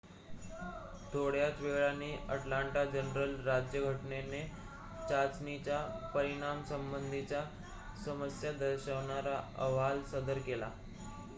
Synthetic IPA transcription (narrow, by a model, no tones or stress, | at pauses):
t̪ʰoɽjat͡sʋeɡɭanːiːʔəʈlaɳʈad͡ʑənɾəlɾad͡ʑjəɡʱəʈnene | t͡ɕat͡snit͡ɕjapəɾiɽ̃amsəmbənd̪ʱit͡ɕja | səməsjad̪əɾɕəʋɳaɾaə̰ʋ̤alsəd̪əɾkela̰